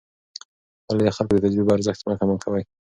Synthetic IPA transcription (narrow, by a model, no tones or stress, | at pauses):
aled̪axalkod̪et̪ad͡ʒɾɪbaɾzaxt̪makamakʰawaj